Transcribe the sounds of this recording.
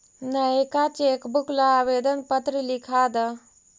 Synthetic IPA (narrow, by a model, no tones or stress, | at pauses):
nəekat͡ɕekbuklaaʋed̪ənpət̪ɾilikʰad̪ə